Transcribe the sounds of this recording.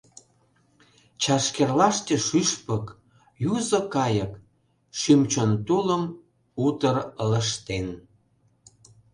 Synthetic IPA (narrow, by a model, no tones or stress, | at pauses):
t͡ɕɑʃkerlɑʃt̪ʲeʃyʃpək | juzə̆kɑjək | ʃymt͡ɕont̪uləm | ut̪ərələʃt̪en